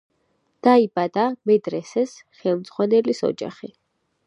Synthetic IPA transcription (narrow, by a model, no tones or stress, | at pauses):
d̪̥aibad̪amɛd̪ɾɛsɛsχɛlˠmd̪z̥ʁwanɛlisɔ̰d͡ʒa̰χi